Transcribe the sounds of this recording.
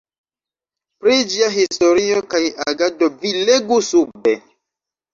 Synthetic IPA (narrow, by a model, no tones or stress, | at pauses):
pɾid͡ʒiaɦisto̞ɾiokajaɡadovileɡusube